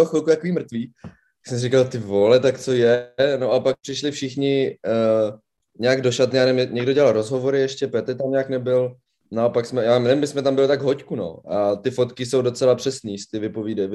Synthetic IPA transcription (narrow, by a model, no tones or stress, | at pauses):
oxɪlkut̪akoviːmr̩t̪viː | ḁksɛmsɪrɪkalt̪ɪvolɛt̪akt͡so̞jɛno̞ʔapak̚pr̥ɪʃlɪfʃɪxɲɪ | ɲɛaɡdo̞ʃat̪nɪjaːnɛvɪmɲɛɡdo̞ɟɛlalɾozɦo̞vo̞ɾɪjɛʃcɛpɛt̪ɛɾt̪amɲɛaknɛbɪl | nao̞paksmɛjaːmɛvɪmbɪsmɛt̪ambɪlt̪aɡɦockuno̞̰ʔat̪ɪfo̞t̪kɪso̞wdo̞t͡sɛlapr̝̥ɛsniːst̪ɪvɪpo̞viːdajv